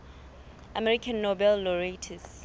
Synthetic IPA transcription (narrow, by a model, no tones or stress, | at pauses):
ʔamɛɹikʰãnːobɛlːɔɹetʰɛs